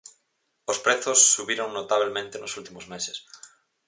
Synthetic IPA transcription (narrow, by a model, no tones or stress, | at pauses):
ospɾeθosːuβiɾoŋnot̪aβ̞lemẽnt̪enosult̪imozmeses